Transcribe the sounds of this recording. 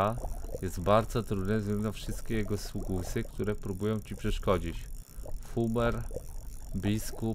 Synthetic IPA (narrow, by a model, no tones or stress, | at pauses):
ajɛzt̪baɾd̪zɔt̪ɾud̪nɛzɡlɛnd̪afʂɘst̪̚kʲejɛɡɔsukusɘk̚t̪uɾɛpɾubujɔ̃w̃t͡ɕipʂɛʂkɔd͡ʑit͡ɕ | xumɛɾ | bʲisku